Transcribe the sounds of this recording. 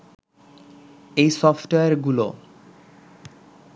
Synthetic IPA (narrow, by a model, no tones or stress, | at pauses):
ejsɔfʈoeaɾɡulo